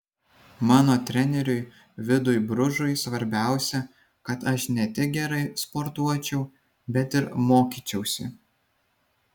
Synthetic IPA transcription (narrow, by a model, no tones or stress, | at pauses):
mɑːnoːt̪ʲɾʲɛnʲɛɾʲʊɪ | ʋʲɪd̪ʊjbɾʊʒʊɪsʋɐɾʲbʲæˑʊsʲɛ | kɐt̪ɐʃnʲɛt̪ʲɪk̚ɡʲɛɾɐɪspɔɾt̪uɔt͡ʃʲɛʊ | bʲɛt̪ɪɾmoːkʲiːt͡ʃʲɛʊsʲɪ